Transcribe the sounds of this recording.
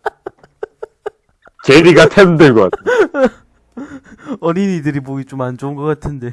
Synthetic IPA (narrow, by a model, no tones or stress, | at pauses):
t͡ɕeɾiɡatʰemdɯɭɡʌa̰tʰ | ʌninidɯɾiboɡit͡ɕomand͡ʑoŋɡʌk͈atʰɯnde̞